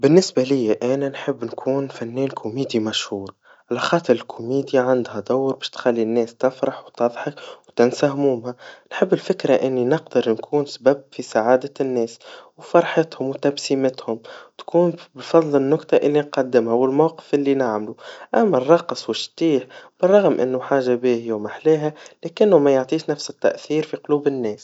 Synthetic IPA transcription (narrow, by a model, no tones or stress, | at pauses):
bɪnːɪsbalɪjːaʔæːnænħɪbːnkʰuːnfænːɛːnkʰʊmiːd̪jimaʃhuːɾ | ʕalæxɑːt̪ˤɨɾɪlkʰʊmiːd̪jaʕand̪hæd̪awːɾbɛːʃt̪xalːinːɛːst̪ɪfɾˤɑħwt̪ɑðˤħɑkwt̪ɪnsahmuːmhanħɪbːɪlfɪkɾaʔɪnːinɪqd̪əɾnkʰuːnsbæbfisaʕaːd̪anːɛːswfɑɾˤħɪt̪hʊmwt̪absiːmɪt̪hʊmt̪kuːnbfɑðˤlɪnːʊkt̪ɑʔɪlːinqɑd̪ːɪmhawɪlmawqɪ̥fʔɪlːinaʕmluʔæmːærˤːɑqsˤwɪʃt̪iːħb̥ɨrˤːɑɣmʔɪ̰nːʊħaːʒːabiːhɪjːawmaħleːɦælæːkɪnːʊmæjʊʕt̪ˤiːʃnæfsɪt̪ːa̰ʔθiːɾfiqʊluːbɪnːɛːs